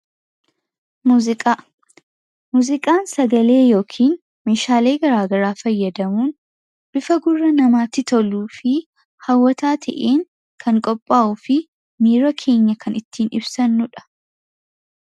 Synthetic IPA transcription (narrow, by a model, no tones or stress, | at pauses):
muːzɪkʼaː | muːzɪkʼaːnsɐɡɐle̞ːjo̞ːkʰiːn | me̞ːʃaːle̞ːɡɐɾaːɡɐɾaːfɐjːɐd̪ɐmuːn | b̥ɪfɐɡʊrːɐnɐmaːt̪ːɪt̪ɔluːfɪ | hɐwːɐt̪aːt̪ʰɐʔeːŋ | kʰɐŋkʼɔpʼːaːʔʊːfɪ | miːɾɐkʰe̞ːɲːɐkʰɐnɪt̪ːiːnɪ̰bsɐnːʊᶑɐ̥